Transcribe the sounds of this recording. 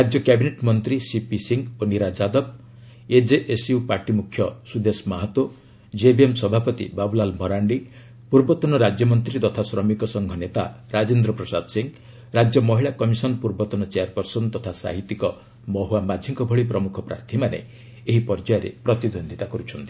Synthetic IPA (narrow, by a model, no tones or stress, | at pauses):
ɾad͡ʒjɔkjabineʈmɔnt̪ɾisipisiŋɡoniɾad͡ʒad̪ɔb̚ | ed͡ʒeʔesupaɾʈimukʰjɔsud̪esmaɦɔt̪wo | d͡ʒebiemsɔbʱapɔt̪ḭbabulalmɔɾaɳɖi | puɾbɔt̪ɔnɔɾad͡ʒjɔmɔnt̪ɾit̪ɔt̪ʰasɾɔmikɔsɔŋɡʱɔnet̪aɾad͡ʒend̪ɾɔpɾɔsad̪siŋɡ | ɾad͡ʒjɔmɔɦiɭakɔmisɔnpuɾbɔt̪ɔnɔt͡ʃeaɾpɔɾsɔnt̪ɔt̪ʰasa̰ɦit̪ːikɔ | mɔɦoamad͡ʒ̪ʱiŋkɔbʱɔɭipɾɔmukʰɔpɾa̰ɾt̪ʰimanḛ | eɦipɔɾd͡ʒajɔɾḛpɾɔt̪id̪ond̪ʱit̪akɔɾut͡ʃʰɔnt̪i̥